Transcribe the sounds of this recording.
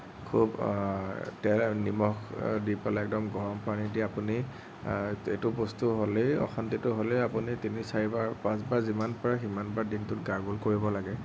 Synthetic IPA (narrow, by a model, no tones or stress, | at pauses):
kʰub | tɛlnimɔxdipalaɛk̚dɔmɡɔɹɔmpanidiapuni | etʊpostuɦoleɔ̰xantitʊɦolɛapunitinisaɹibaɹpãsbaɹzimanpɔɹaximanbaɹdintʊt̚ɡaɹɡulkoɹibɔlaɡɛ